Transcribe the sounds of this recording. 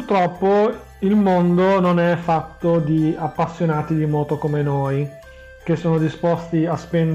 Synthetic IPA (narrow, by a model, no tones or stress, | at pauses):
rt̪ɾɔpːo | ilmond̪ononɛfːat̪ːod̪iapːasːjonaːt̪id̪imɔːt̪okomenoːj | k̟esːoːnod̪ispɔst̪iaspɛn